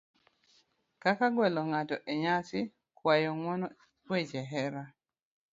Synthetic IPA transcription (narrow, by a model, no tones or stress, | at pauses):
kakaɡwɛlɔŋatɔʔeɲasɪ | kwajɔŋwɔnɔ | wet͡ʃɛɦɛɾa